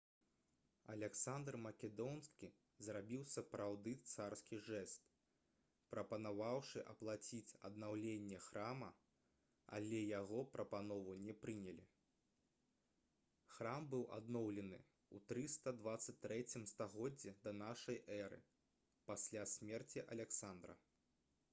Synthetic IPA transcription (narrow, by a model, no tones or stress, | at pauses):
ɐ̰lʲɛksand̪rmɐkʲɛd̪ɔnskʲi | zrabʲiwsɐpɾawd̪ɨt̪sarskʲiʐɛst̪ | pɾɐpɐnavawʂɨʔɐplˠat͡sʲit͡sʲɐ̰d̪nawlʲenʲːɛxɾamɐ | a̰lʲɛjaɣɔpɾɐpanɔvunʲɛpɾɨnʲɛlʲi | xɾambɨwʔa̰d̪nɔwlʲɛnɨ | ut̪ɾɨst̪ɐd̪vat̪sːɐt͡sʲt̪ːɾɛt͡sʲimst̪aɣɔd͡zʲːɛd̪ɐnaʂɐjʔɛɾɨ̰ | pasʲlʲasʲmʲɛrt͡sʲiʔɐ̰lʲɛksand̪ɾɐ̰